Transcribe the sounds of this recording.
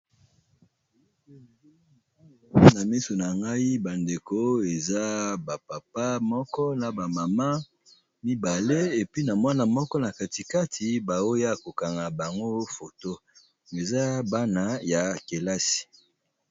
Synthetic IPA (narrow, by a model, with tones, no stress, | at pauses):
na˨mi˦so˨na˨ŋɡa˦i˦ba˨nde˨ko˦e˨za˦ba˨pa˨pa˦mɔ˦kɔ˦na˨ba˨ma˨ma˦ | mi˦ba˨le˦e˨pi˦na˨mwa˦na˨mɔ˦kɔ˦na˨ka˨ti˨ka˦tʰi˨ba˨o˦ja˦˨ko˨ka˨ŋɡa˨ba˨ŋɡo˦fo˨to˦ | e˨za˦ba˦na˨ja˨ke˨la˦si̥˨